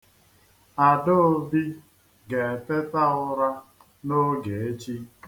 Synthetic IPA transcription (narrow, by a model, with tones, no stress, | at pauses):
a˨do˦o˦˨bi˦ | ɡe˨te˦ta˦ʊ˦ɾa˦ | no˦ɡe˨e˦t͡ʃi˦